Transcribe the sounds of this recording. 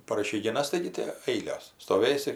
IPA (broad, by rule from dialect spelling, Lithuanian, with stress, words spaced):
pɐr ɪʃʲɛɪɡʲɪˈnɐs ˈtɐɪɡʲɪ tʲɪ ˈɐɪlʲoːs stoːˈʋʲeːsʲɪ